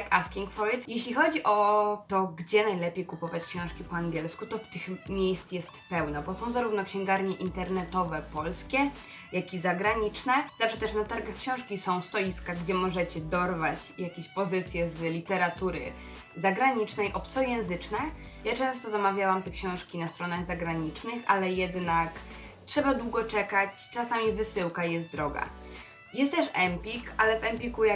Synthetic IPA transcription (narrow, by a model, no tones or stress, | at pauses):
kaskʲiŋkfɔɾit̪jɛɕlʲixɔd͡ʑiʔɔt̪ɔɡd͡ʑɛnajlɛpʲjejkupɔvat͡ɕkɕɔ̃w̃ʂkʲipɔaŋɡʲɛlskut̪ɔft̪ɘxmʲjejst̪jɛst̪pɛwnabɔsɔ̃w̃zaɾuvnɔkɕɛ̃ŋɡaɾɲɛʔint̪ɛɾnɛt̪ɔvɛpɔlskʲɛ | jakʲizaɡɾaɲit͡ʂnɛzafʂɛt̪ɛʂnat̪aɾɡaxkɕɔ̃w̃ʂkʲisɔ̃w̃st̪ɔlʲiskaɡd͡ʑɛmɔʐɛt͡ɕɛd̪ɔɾvat͡ɕjakʲeɕpɔzɘt̪sʲjɛzlʲit̪ɛɾat̪uɾɘ̰ | zaɡɾaɲit͡ʂnɛjʔɔpt̪sɔjɛ̃w̃zɘt͡ʂnɛ | jat͡ʂɛ̃ñst̪ɔzamavʲjawamt̪ɛkɕɔ̃w̃ʂkʲinast̪ɾɔnaɣzaɡɾaɲit͡ʂnɘxalɛjɛd̪nak | tʂɛbad̪wuɡɔt͡ʂɛkat͡ɕt͡ʂasamʲivɘsɘwkajɛst̪̚d̪ɾɔɡa̰ | jɛst̪t̪ːɛʂɛmpʲikalɛvɛmpʲikuja